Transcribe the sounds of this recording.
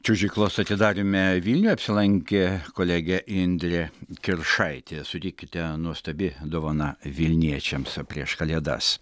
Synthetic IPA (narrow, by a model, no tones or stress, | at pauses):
t͡ʃʲʊʒʲɪklˠoːsɐt̪ʲɪd̪ɑːɾʲɪmʲɛʋʲiːlʲnʲuɐpʲsʲɪlˠɐŋʲkʲekoːlʲɛɡʲɛʔɪnʲd̪ʲɾʲɛkʲɪɾʃɐɪt̪ʲesʊt̪ʲɪkʲːɪt̪ʲɛnuɔst̪ɐbʲɪd̪oːʋɐnɐʋʲɪlʲnʲiɛt͡ʃʲɛmspʲɾʲiɛʃkɐlʲiɛd̪ɐ̰s